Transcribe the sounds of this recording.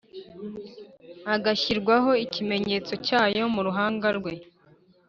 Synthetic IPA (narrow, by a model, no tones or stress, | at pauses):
aɡaçiɾɡwaɦo̞icime̞ɲe̞ːt͡so̞caːjo̞muɾuɦaːŋɡaɾɡwe̞